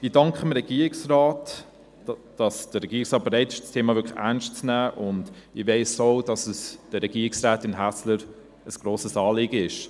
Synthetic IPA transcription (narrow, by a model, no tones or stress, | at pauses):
ɪdɑŋkχəmɾɛɡ̥iːɾɪksrɑːt | d̥ɑsd̥əɾɛɡiːɾɪksʁɑːt̚bəɾeɪtɪ̥ʃstʰeːmɑvʏkʰlænʃtt͡snæːʔʊndɪʋeɪsoʊd̥ɑsəsd̥əɾɛɡiːɾɪksɾaːtɪnɦæsləɾ | əsɡ̥ɾoːsəsɑːlɪːɡəɪʃ